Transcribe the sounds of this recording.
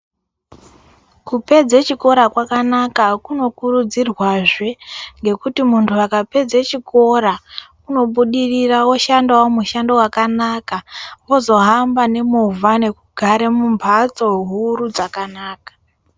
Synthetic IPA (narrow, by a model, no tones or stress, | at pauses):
kupe̞d͡zet͡ʃiko̞ɾakwakanakakuno̞kurud͡zirwaʐeŋɡe̞kutimuntʰuakape̞d͡zet͡ʃiko̞ɾa | uno̞ɓuɗirirawo̞ʃandawomuʃando̞wakanaːkaʋo̞zo̞ɦambane̞muvʱane̞kuɡʱaɾe̞mumpʰat͡so̞ɦuɾud͡zakanaːkḁ